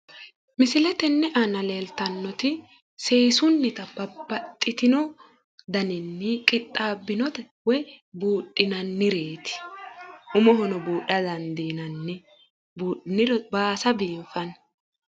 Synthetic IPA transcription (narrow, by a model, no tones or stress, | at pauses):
mɪsɪlɛt̪ɛnːɛʔɐnɐleːlt̪ɐnːɔt̪ɪ | se̞ːsʊnːɪt̪ɐbɐbːɐt̪ʼːɪt̪ɪnɔ | d̪ɐnɪnːɪkʼɪt̪ʼːaːbːɪnɔt̪ɛ | wɛbuːɗːɪnɐnːɪɾe̞ːt̪ɪ̥ʔʊmɔɦɔnɔbuːɗɐd̪ɐnd̪iːnɐnːɪ | buːnɪɾɔbaːsɐbiːmfɐn